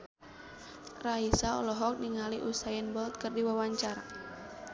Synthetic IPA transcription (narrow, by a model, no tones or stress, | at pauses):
raisaɔ̰lɔɦɔk̚niŋaliʔusajɛnbɔlt̪̚kərdiwawaɲt͡ʃaɾa